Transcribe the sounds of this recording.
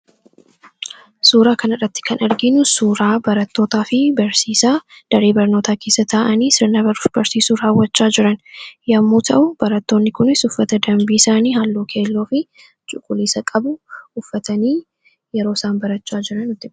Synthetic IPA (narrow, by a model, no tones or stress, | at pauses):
suːɾaːkɐnɐrɐt̪ːɪ̥kʰɐnɐɾɡɪnʊsuːɾaːbɐɾɐt̪ːo̞ːt̪aːfɪbɐɾsiːsaːd̪̥ɐɾe̞ːbɐɾnoːt̪ʰaːke̞ːsːɐt̪ʰaʔɐniːsɪɾnɐbɐɾb̥ɐɾsiːsuːɾaːwːɐt͡ʃːaːd͡ʒɪɾɐnjɐmːuːt̪ʰɐʔʊbɐɾɐt̪ːo̞ːnːɪkʊnɪsʊfːɐt̪ɐd̪ɐmbiːɪsaːniːhalːoːkʰe̞ːlːo̞ːfɪ | t͡ʃʼʊkʼʊliːsɐkʼɐbʊʔʊfːɐt̪ɐniː | jɛɾo̞ːsaːnbɐɾɐt͡ʃːaːd͡ʒɪɾɐnʊt̪ːɪ